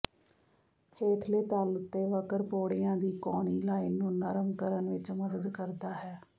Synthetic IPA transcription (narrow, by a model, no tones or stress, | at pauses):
heːʈʰleːt̪alʊt̪ːeːʋəkəɾpoːɽɪjãːd̪iːkɔːniːlaːiːnũːnəɾəmkəɾənʋɪt͡ʃməd̪əd̪kəɾd̪aːɦɛː